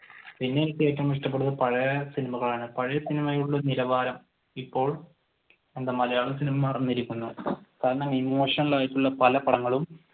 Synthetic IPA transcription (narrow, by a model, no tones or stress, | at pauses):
pinːet̪ːɨeːkʲːɐmiʂʈɐpːeɽuðɐpɐɻɐjɐsinimɐɣɐɭaːɳɨpɐɻɐjɐsinimɐjuɭːɐniɾɐʋaːɾɐm | ipːo̞ːɭ | end̪ɐmɐlɐjaːɭɐsinimɐmɐːrɐnːiɾikʲːunːɐkaːɾɐɳɐmimoːʂɐnɐɭaːjiʈːuɭːɐpɐlɐpɐɽɐŋːɐɭum